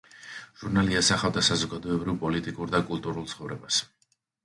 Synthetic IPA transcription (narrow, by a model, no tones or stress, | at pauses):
ʒ̥uɾnaliasaχavd̪asazɔɡad̪ɔɛbɾivpʼɔlit̪ʼikʼuɾd̪akʼulˠt̪ʼuɾulˠt̪sχɔvɾɛbas